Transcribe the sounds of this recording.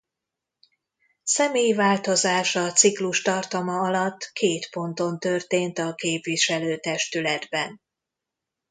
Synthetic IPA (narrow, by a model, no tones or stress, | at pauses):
sɛmeːjvaːlt̪o̞zaːʃɒt̪sikluʃt̪ɒrt̪ɒmɒɒlɒt̪ːkʰeːt̪po̞nt̪o̞nt̪ø̞rt̪eːnt̪ɒkeːpʋiʃɛløːt̪ɛʃt̪ylɛd̪bɛn